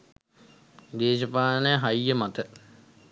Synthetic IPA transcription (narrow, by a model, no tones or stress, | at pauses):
d̪eːʃəpaːənəjɦajːəmat̪ə